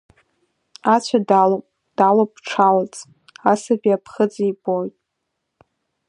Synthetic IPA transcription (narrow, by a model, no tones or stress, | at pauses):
at͡ɕʷʰadalo | d̥alopʈ͡ʂʰalat͡sʼ | asabiapʰχəd͡ziibojtʼ